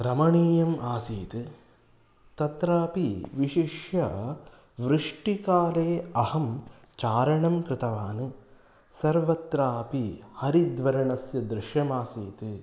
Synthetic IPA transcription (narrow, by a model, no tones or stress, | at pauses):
ɾɐmɐɳiːjɐmaːsiːt̪ɨ | t̪ɐt̪ɾaːpiʋiʃiʂjɐ | ʋɾɨʂʈikaːleːɐhɐm | t͡ʃaːɾɐɳɐmkɾɪt̪ɐʋaːnɨ | sɐɾʋɐt̪ɾaːpihɐɾid̪ʋɐɾɐɳɐsjɐd̪ɾɪʂjɐmaːsiːt̪ɨ